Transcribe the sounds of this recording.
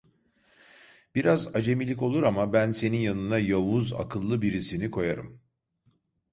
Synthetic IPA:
b̥iɾazad͡ʒe̞milʲico̞lˠuɾamabænse̞ninjanɯnajavuza̰kʰɯlˠːɯbiɾisinikʰo̞jaɾɯ̰m

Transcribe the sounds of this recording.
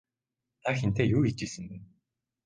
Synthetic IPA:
naçʲĩnt̪ejɯːit͡ɕːisɨnd̪ɯ

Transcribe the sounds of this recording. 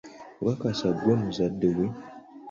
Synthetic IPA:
ɾakasaɡʷomuzadəwe

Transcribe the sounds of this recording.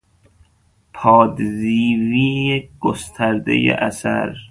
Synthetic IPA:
pʰɒːd̪ziːviːeɡ̥ost̪ʰæɾd̪ḛjḛʔæsæ̰ɾ

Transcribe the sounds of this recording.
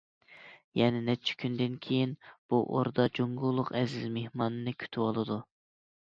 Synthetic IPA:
jɛnɪnɛp̚t͡ʃʰi̥kʲʰynd̪ɪnkʲʰejinb̥uʔo̰ɾd̪ɑd͡ʒoŋɡulˠːʊqɛzɪzmehmɑːnɨnɨkʲʰy̥t̪ʰɪwolˠɨd̪u

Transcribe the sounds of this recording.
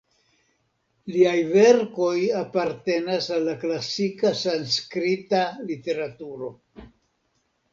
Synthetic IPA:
liajve̞ɾko̞japaɾte̞nasalːaklasikasanskɾitalite̞ɾatuɾo̞

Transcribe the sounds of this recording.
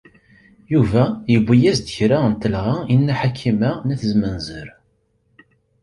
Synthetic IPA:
juvæjəbʷːæjæzd̪əçɾaənt̪əlʁainːæħakʰːimænæθəzmənzəɾ

